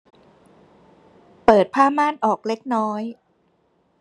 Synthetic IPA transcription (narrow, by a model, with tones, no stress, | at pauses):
pɤː˨˩t̪̚pʰaː˥˩maː˥˩nʔɔː˨˩k̚le˦˥k̚nɔː˦˥j